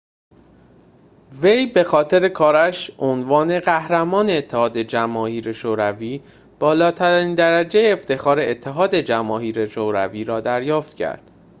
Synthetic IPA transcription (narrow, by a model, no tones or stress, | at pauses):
ve̞jbe̞xɒːt̪ʰe̞ɾe̞kʰɒːɾæʃʔonvɒːne̞ɢæhɾæmɒːne̞ːt̪ʰːehɒːd̪ed͡ʒæmɒːhiːɾeʃoːɾæviː | b̥ɒːlɒːt̪ʰæɾiːnd̪æɾæd͡ʒejeːft̪e̞xɒːɾe̞et̪ʰːe̞ɦɒːd̪e̞d͡ʒæmɒːɦiːɾeʃoːɾæ̰viːɾɒːd̪æɾjɒːft̪cʰæ̰ɾd̪̥